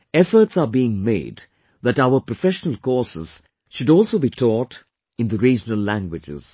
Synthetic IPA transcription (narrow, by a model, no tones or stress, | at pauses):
ɛfə˞ʈsabiɪ̃ŋmḛɪd | ðæʈaʊəpɾɔfɛʃənəlkɔːsɪz̥ | ʃʊdɔːlˠsoːbitʰɔːʈ | ɪ̃nd̪əɾiːd͡ʒənəlːæ̃ŋɡwɪd͡ʒɪ̰z̥